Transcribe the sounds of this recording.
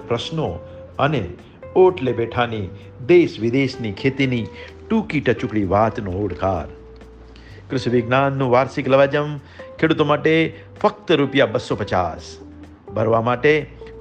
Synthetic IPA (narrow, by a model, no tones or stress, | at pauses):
pɾɐʃno | əne | oːʈlebeːʈʰani | d̪eːsʋɪd̪eːsnikʰeːt̪ini | ʈuːkiʈət͡ʃʊkɭiʋaːt̪nõoːɽka̰ːɾ | kɾʊʃʋɪɡnaːnːũːʋaːɾsɪklɐʋaːd͡ʒəm | kʰeːɽut̪omaːʈe | fɐk̚t̪əɾupjabəsːopɐt͡ʃa̰ːs | bʱəɾʋamaːʈe